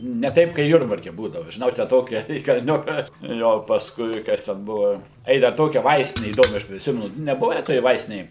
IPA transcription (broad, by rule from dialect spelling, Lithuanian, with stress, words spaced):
nʲɛ ˈtɐɪp kɐɪ ˈjʊrbɐrʲkʲɛ ˈbuːdɐʋʊ ʒʲɪˈnɐʊ tʲæː ˈtoːkʲɛ iː kɐlʲˈnʲʊkɐ ˈjoː pɐsˈkʊɪ ˈkɐs tʲɛn ˈbʊʋoː ˈɐɪ dɐr ˈtoːkʲɛ ˈʋɐɪsʲtʲɪnʲɛ iːˈdoːmʲɛ ˈɐʃ pʲrʲɪˈsʲɪmʲɛnʊ nʲɛˈbʊʋʲɛ toːj ˈʋɐɪsʲtʲɪnʲeːj